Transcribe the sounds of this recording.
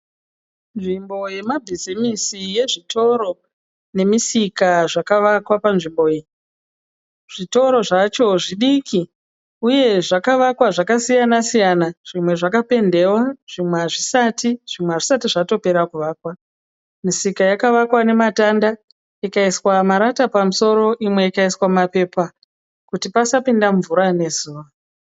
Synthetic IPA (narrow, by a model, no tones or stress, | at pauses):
nʐimbo̞je̞mabʱizimisije̞ʐitʰo̞ɾo̞ | ne̞misikaʐakaʋakwapanʐimbo̞je | ʐ̥ito̞ɾo̞ʐat͡ʃo̞ʐiɗikʰi | uje̞ʐakaʋakwaʐakasijanasijanaʐ̥imwe̞ʐakape̞nde̞waʐ̥imweaʐisatiʐ̥imweaʐisatiʐato̞pe̞ɾakuʋaːkwa | misikajakaʋakwane̞matanda | ikaiswamaɾatapamuso̞ɾo̞ʔimwe̞ikaiswamape̞pa | kutipasapindamvuɾane̞zuːʋa